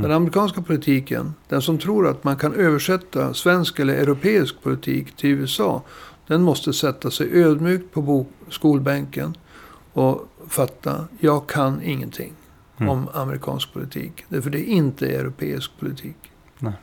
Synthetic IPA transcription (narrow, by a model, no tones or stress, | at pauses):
d̪ɛnamɾɪkʰɑːnskapʰʊlɪt̪ʰiːkə̰nd̪̥ɛnsɔmt̪ʰɾuːɾat̪mankʰanøːvəʂɛt̪ːasvɛnskɛlːəɾʔɛɾʊpʰeːɪsk̚pʰʊlɪt̪ʰḭːkt̪ʰɪɛsɑ̰ːd̪̥ɛnmɔst̪əsɛt̪ːasɛjʔøːd̪myːkt̪̚pʰɔbuːskuːlbɛŋkən | ɔfat̪ːa̰jɑːɡkʰanɪŋːənt̪ʰɪ̰ŋː | ɔmaməɾɪkʰɑ̰ːnsk̚pʰʊlɪt̪ʰḭːkd̪æfœɖɛʔɪnt̪əɛ̰ɾʊpʰḛːɪ̰sk̚pʰʊlɪt̪ʰiːk